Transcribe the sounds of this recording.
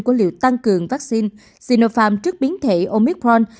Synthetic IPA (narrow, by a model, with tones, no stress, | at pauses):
ku˧˩əlḭ˧˨əwt̪a˧ŋkɨ˨˩əŋvaː˦˥k̚si˧n | si˧no˧faː˧mt͡ɕɨ˦˥ək̚ɓi˨˦ənt̪ʰe˧˩ʔo˧mi˦˥k̚pɹɔ˧n